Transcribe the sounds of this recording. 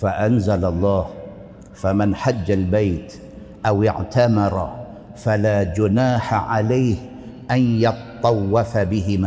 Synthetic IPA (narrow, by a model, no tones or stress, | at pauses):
faʔanzalɑlˤːɑːh | famɪnħad͡ʒːalbaːt̪ | ʔawɪ̰ʕt̪amɪɾ | falaːd͡ʒʊnaːħaʕalaːh | ʔanjɨt̪t̪ˤːɑwːafabɪɦɪmaː